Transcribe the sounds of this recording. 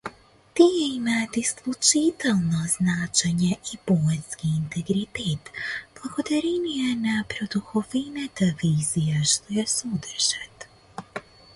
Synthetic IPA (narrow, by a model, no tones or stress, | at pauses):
t̪ijɛimat̪isklˠut͡ʃit̪ɛlˠnoznat͡ʃɛɲɛʔiboɛskiːnt̪ɛɡɾit̪et̪b̥lˠaɡod̪aɾɛnijɛnapɾod̪uxovinat̪aviːzijaʃt̪ojɛsod̪rɾʒ̥at̪